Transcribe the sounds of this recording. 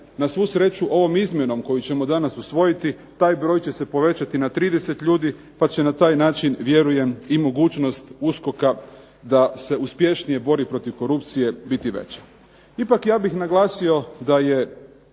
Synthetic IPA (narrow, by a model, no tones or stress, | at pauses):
nasʋusɾe̞t͡ʃuʔo̞ʋo̞mizmʲje̞no̞mko̞jut͡ɕe̞mo̞d̪anasusʋo̞jit̪i | t̪aːjbɾo̞ːjt͡ɕe̞se̞po̞ʋe̞t͡ɕat̪inat̪ɾiːd̪ese̞t̪ʎʲuːd̪i | pat͡ɕe̞nat̪aːjnaːt͡ʃinʋje̞ɾuje̞mimo̞ɡuːt͡ʃno̞st̪usko̞ka | d̪ase̞uspje̞ʃnije̞bo̞ɾipɾo̞t̪iʋko̞ɾupt̪sije̞bit̪iʋḛt͡ɕḁ | ipakjaːbixnaɡlˠaːsio̞d̪aje̞